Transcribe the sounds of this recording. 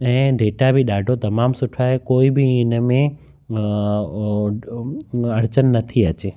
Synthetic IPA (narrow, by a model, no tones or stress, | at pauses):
ɛ̃ːɖeːʈabɪɗaːɖʱot̪ɐmaːmsʊʈʰaɦekoːibɪɪnmẽ | ɐɽt͡ɕənːɐt̪ʰiɐt͡ɕeː